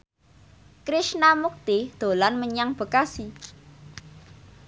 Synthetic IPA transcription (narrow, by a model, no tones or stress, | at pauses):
kɾɪʃnamuk̚t̪id̪̥o̤lanməɲaŋb̥ə̤kasi